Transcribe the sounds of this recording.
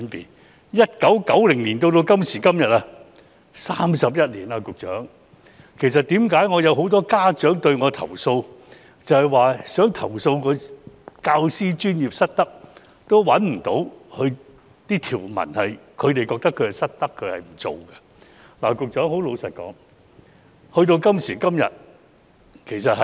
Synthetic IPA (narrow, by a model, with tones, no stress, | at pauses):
npi˨n | jɐ˥t̚kɐ˨˥wkɐ˨˥wlɪ˨˩ŋliː˨˩nt̪̬o˧wt̪o˧wkɐ˥msiː˨˩kɐ˥mjɐ˨t̚a˧ | saː˥msɐ˨p̬̚jɐ˥t̚liː˨˩na˧kʊ˨k̚t͡ʃœ̰ː˨˥ŋ | kʰe˨˩js̬ɐ˨t̚t̪iː˨˥mkaː˨˥jŋɔː˨˧jɐ˨˧wɦo˨˥wt̪̬ɔː˥kaː˥t͡ʃœː˨˥ŋt̪ɵ˧ɥŋɔː˨˧t̪ʰɐ̰˨˩wso˧w | t͡sɐ˨˧hɐ˨jwaː˨sœː˨˥ŋt̪ʰɐ˨˩wso˧wkɔ˨˧kaː˧wsiː˥t͡ʃyː˥nji˨p̚sɐ˥t̚t̪ɐ˥k̚ | t̪o˥wwɐ˨˥nm̩˨˩t̪o˨˥whʰɵ˧ɥ | t̪iː˥t̪ʰiː˨˩wmɐ̰˨˩nhɐ˨jkʰɵ˨˧ɥt̪e˨jkɔː˧k̚t̪ɐ˥kʰːɵ˨˧ɥhɐ˨˩sɐ˥t̚t̪ɐ˥kʰːɵ˨˧ɥhɐ˨jm̩˨˩t͡so̰˨˩wɡɐ˧ | la̰ː˨˩kʊ˨k̚t͡ʃœː˨˥ŋho˨˥wlo˨˧wsɐ˨t̚kɔ̰ː˨˥ŋ | hɵ˧t̪̬o˧wkɐ˥msiː˨˩kɐ˥mjɐ̰˨˩t̚ | kʰe˨˩js̬ɐ˨t̚hɐ˨